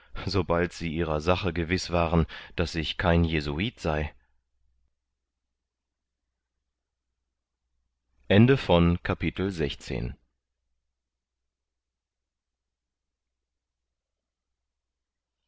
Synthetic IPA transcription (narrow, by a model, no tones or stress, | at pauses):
zobaltz̥iːʔiːʁɐzaχəɡəvɪsv̥aːʁənd̥asɪçkʰaɪnjezuiːtz̥aɪ | ʔɛndəfɔnkʰapitl̩zɛçt͡sḛːn